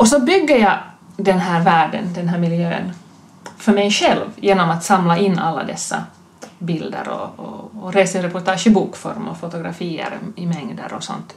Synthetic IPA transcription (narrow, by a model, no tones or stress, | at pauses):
ɔsɔbʏɡːəɾjɑd̪ɛnɦæːɾvæːɖə̰nd̪ɛnɦæːɾmɪljø̰ːə̰n | fœɾmɛjɧɛlvjeːnɔmat̪samlaʔɪnːalːa̰d̪ɛsːa̰ | bɪld̪ə̰ɾɔ̰ːɾeːsaɾɛpʊɾʈ̪ʰɑːʂɪbuːkfɔ̰ɾmɔfʊt̪ʊɡɾa̰fiːə̰ɾɪmɛŋd̪ə̰ɾɔ̰sɔ̰nt̪